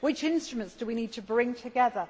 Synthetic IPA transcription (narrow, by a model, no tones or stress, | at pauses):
wɪt͡ʃɪ̃nstɹ̥əmə̃ntsd̥əwiniːd̚tʰəbɹɪ̃ŋtʰəɡɛðə